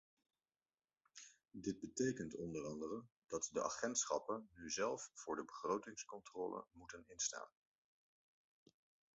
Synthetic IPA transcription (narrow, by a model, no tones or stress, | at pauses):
dɪd̚bətejkəntɔndərɑndərən | d̥ɑtdəʔɑ̰χɛntsχɑpənːyzɛlˠfv̥ʊːɹdəbəχrowtɪŋskɔntrɔ̰ːlʔə̰mutənɪnsta̰ːn